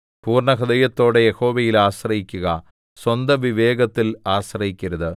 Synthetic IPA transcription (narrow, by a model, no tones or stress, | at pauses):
puːrɳɐɦɐd̪ɐjɐt̪ːo̞ːɽejeho̞ːʋɐjilaːɕrɐɦikʲːuɣɐ | swɐnd̪ɐʋiʋeːɡɐt̪ːilaːɕrɐhikʲːɐɾɐðɨ